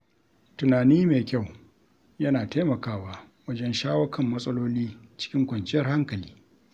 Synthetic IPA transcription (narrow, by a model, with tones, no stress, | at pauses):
tʊ˨naː˨niː˦meː˨kʲa˦˨w | jɐ˦naː˨taː˦mɐ˨kaː˦˨waː˦ | wɐ˦d͡ʒɛ˦nʃaː˦wɐ˦kʰɐ˨mːɐ˦sʼɐ˦loː˦liː˦t͡ʃɪ̥˦kʲɪ˦ŋkʷɐ˨nt͡ʃʼɪ˦jɐ˨rha˦ŋkɐ˨liː˦